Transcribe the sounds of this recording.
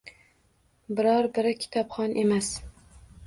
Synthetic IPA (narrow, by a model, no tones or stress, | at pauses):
bɪɾɑɾbɪɾɪkʲʰi̥t̪ʰɒpχɒnʔemæs